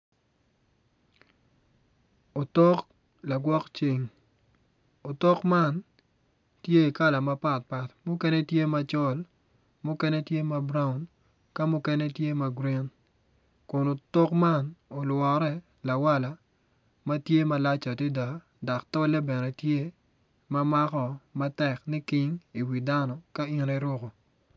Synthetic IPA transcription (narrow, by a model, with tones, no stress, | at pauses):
o˨tɔ˦k | la˨ɡwɔ˦kt͡ʃi˨ŋ | o˨tɔ˦kma˦n | tje˦i˨ka˦la˨ma˦pa˦t̚pa˨tmʊ˦kɛ˦nɛ˦tje˦ma˨t͡ʃɔ˦l | mʊ˦kɛ˦nɛ˦tje˦ma˨bɾa˦ʊ˨n | ka˦mʊ˦kɛ˦nɛ˦tje˦ma˨ɡɾi˦n | kʊ˨no˨tɔ˦kma˦no˨lwɔ˨ɾɛ˦ | la˨wa˦la˨ | ma˦tje˦ma˨la˦t͡ʃa˨ti˦da˨ | da˨ktɔ˦lɛ˦bɛ˨nɛ˨tje˦ | ma˦ma˦kɔ˦˨ma˦tɛ˨knɪ˦kɪ˦ŋi˨wi˨da˦nɔ˨ka˦i˦nɛ˦ɾo˦ko˨